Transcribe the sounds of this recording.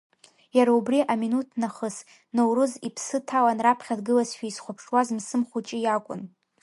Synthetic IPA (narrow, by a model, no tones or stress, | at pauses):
jaɾaubriʔaminutʰnaχəs | nowɾɨzipʰsɨtʰawanrapʰχʲadɡɨlazʃᶣaisχʷʊpʰʂwazmsɨmχʷut͡ʃʼijakʷʼʊ̰n